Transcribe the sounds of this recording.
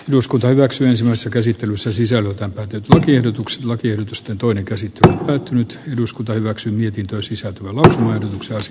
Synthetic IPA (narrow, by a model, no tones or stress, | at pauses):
eduskunt̪ɑhyʋæksyensimæisesːækæsit̪ːelysːæsisælːøt̪æmpæːt̪ːenyt̪lɑkiehdot̪ukse̥t̪lɑkiehdot̪ust̪ent̪oineŋkæsit̪ːelyompæːt̪ːynyt̪eduskunt̪ɑhyʋæksyːmiet̪int̪øisisælt̪øʋælɑusumɑːehdot̪ukseɑsi